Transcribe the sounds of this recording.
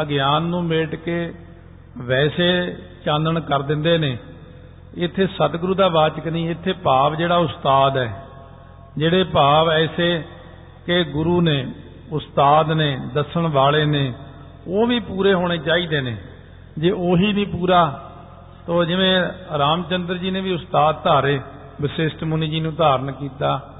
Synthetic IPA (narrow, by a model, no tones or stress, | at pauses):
əɡɪjaːnːũːmeːʈkeː | ʋɛːseːt͡ʃãːnd̪əɳkəɾd̪ɪ̃nd̪eːneː | ɪt̪ʰːeːsət̪ɡɾuːd̪aːʋaːt͡ʃəknĩːɪt̪ʰːeːpaːʋd͡ʒeːɽaːʊst̪aːd̪ɛː | d͡ʒeːɽeːpaːʋɛːseː | keɡʊɾuːnẽː | ʊst̪aːd̪neːd̪əsəɳʋaːɭeːneː | oːʋiːpuːɾeːɦoːɽ̃eːt͡ʃaːiːd̪eːnḛː | d͡ʒeːʔoːɦiːʋiːpuːɾaː | t̪õːd͡ʒɪʋẽːɾaːmt͡ʃənd̪əɾd͡ʒiːnẽːʋiːʊst̪aːd̪̚t̪aːɾeː | bɪsɪsʈmʊniːd͡ʒiːnũːd̪aːɾəɳkiːt̪aː